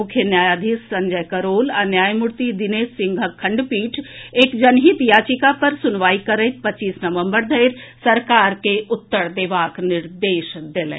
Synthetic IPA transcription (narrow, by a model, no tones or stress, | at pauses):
mʊkʰjənjaːjaːd̪ʱisːɐɲd͡ʒəjkəɾoːlanjaːjmʊɾt̪id̪ɪneːsːɪ̃ŋɡʱəkʰɐ̃ɳɖpiːʈʰeːkd͡ʒɐnɦit̪jaːt͡ʃikapɐɾsʊnʋaːikɐɾəɪt̪̚pɐt͡ʃːiːsnɐʋə̃mbəɾd̪ʱɐjɾsɐɾkaːɾkeʔʊt̪ːəɾd̪eːʋaːknɪɾd̪eːʃd̪elɛ̰̃